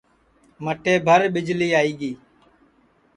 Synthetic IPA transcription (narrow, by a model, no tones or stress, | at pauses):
məʈeːbʱəɾɓɪd͡ʒliːaːiːɡiː